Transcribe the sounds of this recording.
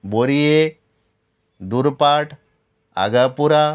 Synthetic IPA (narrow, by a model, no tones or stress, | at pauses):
boɾije | d̪uɾpaʈʰ | a̰ɡapuɾa